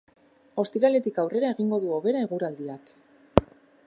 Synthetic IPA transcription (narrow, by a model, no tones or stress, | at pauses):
o̞st̪iɾale̞t̪ikawre̞ɾae̞ɣiŋɡo̞ðuo̞βe̞ɾaeɣuɾald̪iak